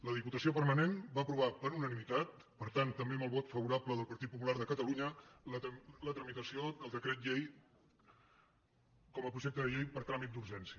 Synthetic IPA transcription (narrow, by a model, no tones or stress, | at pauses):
ləðiput̪əsiopəɾmənenbaəpɾuβapəɾunənimit̪at̪ | pəɾt̪ant̪ːəmbeməlˠβɔt̪fəβuɾapləðəlˠpəɾt̪it̪̚pupulaɾð̞əkət̪əluɲələlət̪ɾəmit̪əsiod̪əlˠd̪əkɾɛt̪ʎej | kɔməpɾuʒɛk̚t̪əðəʎejpəɾt̪ɾamit̪d̪uɾʒɛnsiə